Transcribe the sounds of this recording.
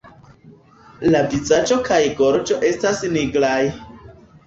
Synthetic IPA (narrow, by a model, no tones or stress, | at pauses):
labizad͡ʒo̞kajɡoɾd͡ʒo̞ʔe̞stasniɡlaj